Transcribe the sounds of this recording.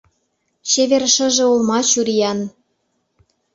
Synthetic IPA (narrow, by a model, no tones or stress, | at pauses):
t͡ɕeβerʃə̆ʒĕolmɑt͡ɕuɾijɑn